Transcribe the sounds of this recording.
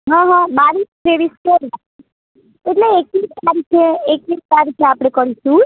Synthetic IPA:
ɦãɦãbaɾiskɾeʋiskɛɾla | eʈleːkʋit͡ʃaɾik̪ʰeekʋid͡ʒtaɾit̪ʰeapɽ̃ekəɾiʃũ

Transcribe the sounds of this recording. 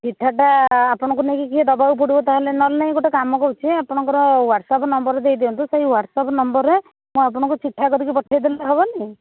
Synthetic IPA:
t͡ʃiʈʰːaʈaːpɔɽ̃ɔ̃kunekikid̪ɔbawp̬uɽibɔt̪aɦalenɔlnaĩɡoʈakamɔkɔɾut͡ʃʰiapɔɽ̃ɔ̃ŋkɔɾɔwaɖsapnɔmbɔɾed̪ejd̪iɔnt̪usaɦiwaɖsɔpnɔmbɔɾe | mũapɔɽ̃ɔŋkut͡ʃiʈʰːakɔɾikipɔʈʰajd̪elːaɦebɔnaĩ

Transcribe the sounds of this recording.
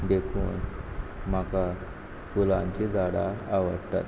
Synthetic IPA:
d̪ekʰṵːnm̤aka | fulãɲt͡ɕid͡zaɽaaʋə̰ɽt̪a̰t̪̚

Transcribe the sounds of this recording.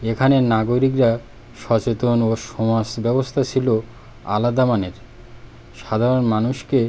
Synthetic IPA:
ekʰanenaɡoɾikɾa | ʃɔt͡ɕet̪onoʃɔmasbɛbost̪ʰat͡ɕʰilo | a̰lad̪amaneɾ | ʃad̪ʱaɾonmanuʃke

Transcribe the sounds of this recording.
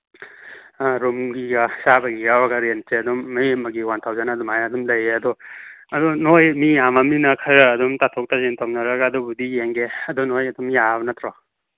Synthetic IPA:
aɾumɡiɡasabɐɡiɡawaɡaɾenseɐdumːemɐɡiwantʰawzanadumajadumlɐjeɐdɔ | ɐdɔnojmijamaminɐkʰaɾːdumtatʰɔk̚tazentʰawnaɾɐɡaːdubudijeŋɡeɐdɔnojɐdumjaβɐnatʰɾɔ

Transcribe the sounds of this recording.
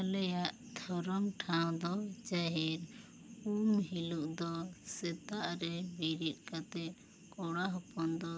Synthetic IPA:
lɛjaʔ | t̪ʰɔɾɔmʈʰaw̃d̪ɔt͡ʃaɦɛɾ | umɦiluʔd̪ɔsɛt̪aʔɾɛbiɾit̪̚ˀkat̪ɛ | kɔɽaɦɔpɔnd̪ɔ

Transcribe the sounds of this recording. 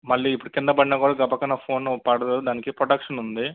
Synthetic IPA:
mɐɭːiːipːuɽukɪnd̪ɐpɐɽinaːkuːɽaːɡɐpɐkːɐnɐpʰo̞ːnːupɐɽɐd̪ɐd̪aːnikipɾoɖɐkʂɐnund̪i

